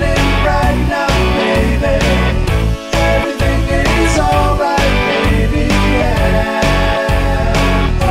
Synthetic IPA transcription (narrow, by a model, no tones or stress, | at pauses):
ɪŋɹaɪt̚ⁿnameɪbi | ɛvɹiθɪ̃ŋɪzɔlˠɹaɪt̚meɪbijæ